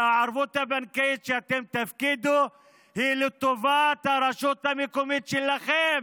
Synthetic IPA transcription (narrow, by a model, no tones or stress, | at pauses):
aʕaɾvut̪abankeʃeat̪emt̪afkid̪u | hilit̪ːovat̪haɾɐʃut̪amekomit̪ʃɛlaχem